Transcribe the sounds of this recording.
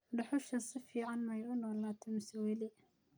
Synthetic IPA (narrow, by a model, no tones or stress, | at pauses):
ɖɐħʊʃɐsɪfiːʕɑnmɐjʊnɔːlaːt̪ʰɛmɪsɛwɛlɛ